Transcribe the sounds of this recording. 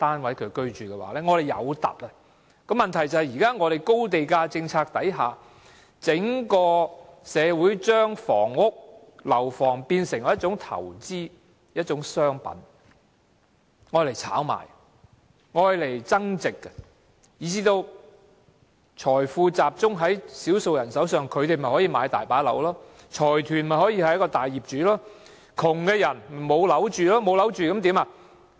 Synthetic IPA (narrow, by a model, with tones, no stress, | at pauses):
t̪aː˥nwɐ˨˥jkʰɵ˨˧ɥkɵ˥ɥt͡ʃyː˨kɛː˧wa̰ː˨˥lɛː˧˥ŋɔː˨˧ɾe˨jɐ̰˨˧wt̪ɐ̰˨p̚ɐ˧ | kɔ˧mɐ˨nt̪ʰɐ˨˩jt͡sɐ˨˩hjiː˨kaː˥ŋɔː˨˧ɾe˨˩jko˥wt̪e˨jkaː˧t͡sɪ˧ŋt͡sʰaː˧k̚t̪ɐ˨˥jɦaː˨ | t͡sɪ˨˥ŋkɔː˧sɛː˨˧wuː˨˥jt͡ʃœː˥ŋfɔː˨˩ŋːʊ˥k̚ | lɐ˨˩wfɔː˨˩ŋpiː˧nsɪ˨˩ŋjɔː˨˦jɐ˥t̚t͡ʃʊ˨˥ŋt̪ʰɐ̰˨˩wt͡siː˥ | jɐ˥t̚t͡ʃʊ˨˥ŋsœː˥ŋpɐ̰˨˥n | ŋɔː˧jle˨˩jt͡sʰa̰ː˨˥wma̰ː˨˩j | ŋɔː˧jle˨˩jt͡sɐ˥ŋt͡sɪ˨kːɛ˧ | jiː˨˧t͡siː˥t̪o˧w | t͡ʃʰɔː˨˩jfuː˧t͡saː˨p̚t͡sʊ˥ŋɦɐ˨˥jsiː˨˥wso˧wjɐ˨˩nsɐ˨˥wsœː˨ŋkʰɵ˨˧ɥt̪e˨jmɐ˨˩jhɔː˨˥jiː˨˧maː˨˧jt̪a̰ː˨˩jpaː˨˥lɐ̰˧˥wlɔː˥ | t͡ʃʰɔː˨˩jt̪ʰyː˨˩nmɐ˨˩jhɔː˨˥jiː˧hɐ˨jɐ˥kɔː˧t̪aː˨jːiː˨p̚t͡ʃyː˨˥lɔː˥ | kʰʊ˨˩ŋkɛː˧jɐ˨˩n˨˩mo˨˧wlɐ˨˥wt͡ʃyː˨lɔː˥mo˨˧wlɐ˨˥wt͡ʃyː˨kɐ˨˥mt̪iː˨˥maː˧